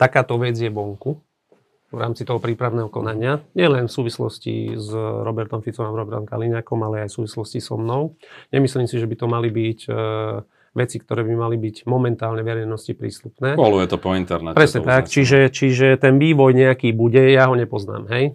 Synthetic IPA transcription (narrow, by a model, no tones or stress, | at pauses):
t̪akaːt̪ɔʋɛd͡zjɛʋɔŋku | ʋɾa̰ːmt͡sit̪ɔɦɔpɾiːpɾaʊnɛːɦɔkɔ̰naɲɪaɲɪɛlɛnfsuːʋislɔ̰scḭzɾɔbɛɾt̪ɔmfit͡sɔmaɾɔbɛɾt̪ɔmka̰liɲaːkɔmalɛajfsuːʋislɔscisɔ̰mnɔʊɲɛmisliːmsiʒɛbit̪ɔmalibiɟ | ʋɛt͡sikt̪ɔɾɛːbimalibiɟmɔmɛnt̪aːlɲɛʋɛɾɛnɔscipɾḭːst̪upnɛːɔlujɛt̪ɔpɔint̪ɛɾnɛpɾɛsɲɛt̪akt͡ʃiʒɛt͡ʃiʒɛt̪ɛnʋiːʋɔjɲɛakiːbuɟɛjaɦɔɲɛpɔzna̰ːmɦɛj